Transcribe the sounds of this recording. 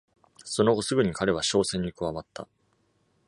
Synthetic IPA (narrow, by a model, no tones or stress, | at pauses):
so̞no̞ɡo̞sɨɡɯ̟ɲ̟ikaɾe̞β̞aɕo̞ːsẽ̞ɲ̟ːikɯ̟βamat̪ːa̰